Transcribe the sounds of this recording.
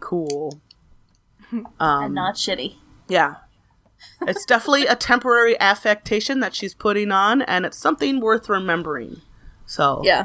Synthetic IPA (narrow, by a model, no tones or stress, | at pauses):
kʰulˠ | ʔʌ̃mnətʃɪɾi | jæ | ɨtsd̥ɛfənətˡliɨtʰɛ̃mpə˞ɛɹiʔæfɛk̚tʰeɪʃɨ̃nðɨtʃiz̥pʰʊɾɪ̃ŋə̃nɨ̰̃nɨtsʌ̃mθɪ̃ŋwɜ˞θɹɨmɛ̃mbə˞ɪ̰̃ŋ | soʊjæ